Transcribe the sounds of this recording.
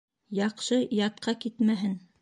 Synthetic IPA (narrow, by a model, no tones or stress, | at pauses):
jɑqʃɤjɑt̪̚qɑkit̪mæɦɘn